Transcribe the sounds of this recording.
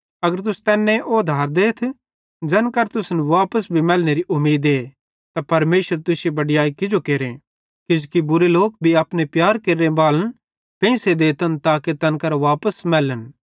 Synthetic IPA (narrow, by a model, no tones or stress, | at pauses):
ɐɡəɾt̪̬ʊsu̥t̪ɛːnːẽʔod̪ʱaːɾd̪eːt̪ʰ | d͡ʒɛːnkɐɾt̪ʊsnʋaːpəsbʱimɛːlneɾiʔʊmːiːd̪eː | t̪apɐɾmeːʃəɾt̪ʊsebɐɖɪjaːikɪd͡ʒokeːɾẽ | kɪd͡ʒkibʊɾeloːk̚bʱiɐpnepjaːɾkeːɾːebaːlən | pɛ̃ːsed̪eːt̪ʰənt̪aːket̪ɛːnkɐɾʋaːpəsmɛːlən